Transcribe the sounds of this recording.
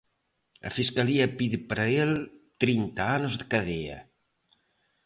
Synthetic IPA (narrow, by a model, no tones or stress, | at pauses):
ə̰fiskaliɐpiðipəɾaelt̪ɾint̪aanozðəkɐðeɐ̰